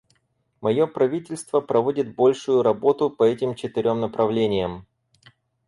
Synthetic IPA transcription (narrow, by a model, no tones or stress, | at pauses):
mɐjo̞pɾɐvʲitʲɪlʲst̪vəpɾɐvo̞dʲɪt̪̚bo̞lʲʂʊjʊɾɐbo̞t̪ʊpɐɛtʲɪmt͡ɕɪt̪ɪɾʲo̞mnəpɾɐvlʲenʲɪjəm